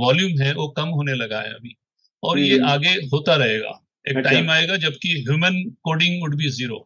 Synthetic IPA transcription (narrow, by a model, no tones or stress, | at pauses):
ʋaːljuːmɦɛ̃ʋokɐmɦoːnelɐɡa̰ɦḛɐ̰bʱiː | ɔːɾjeʔaːɡeɦoːt̪aɾɐɦeːɡa̰ː | eːkʈːaːɪmaːeːɡad͡ʒɐbkiɦjuːmənkoːɖɪ̃ŋɡʊɽbiziːɾo̰ː